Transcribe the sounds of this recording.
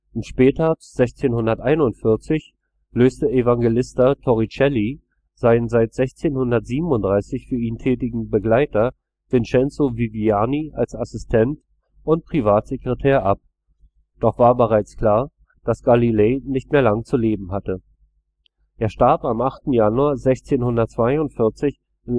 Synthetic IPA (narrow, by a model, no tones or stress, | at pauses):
ʔʊntʃpɛːtɐz̥ɛçt͡seːnhʊndɐtʔaɪnʊntfɪɐt͡sɪç | løːstəʔevaŋɡelɪstɐtʰɔʁit͡ʃɛli | zaɪnənzaɪtz̥ɛçt͡seːnhʊndɐtz̥iːbm̩ʊntd̥ʁaɪsɪçfyːɐiːntʰɛːtɪɡŋ̩bəɡlaɪtɐ | v̥ɪnt͡ʃɛnt͡soviviaːniʔalsasɪstʰɛnt | ʔʊntpʁ̥ivaːtz̥ekʁ̥etʰɛːɐʔap̚ | d̥ɔχv̥aːɐbəʁaɪt͡skl̥aːɐ | d̥asɡ̥alileːnɪçtmeːɐlaŋət͡suleːbm̩ɦatə | ʔeːɐʃtaɐpamʔaχtn̩januaːɐzɛçt͡seːnhʊndɐtt͡sv̥aɪʊntfɪɐt͡sɪç | ɪn